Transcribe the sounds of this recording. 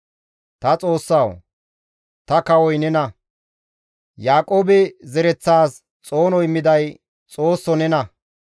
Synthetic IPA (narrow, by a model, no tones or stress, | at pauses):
t̪ɐt͡sʼo̞ːsːaw | t̪ɐkɐwɔjnɛnɐ | jaːkʼoːbɛzɛɾɛt͡sːaːs | t͡sʼo̞ːnɔɪmːɪd̪ɐj | t͡sʼo̞ːsːɔnɛnɐ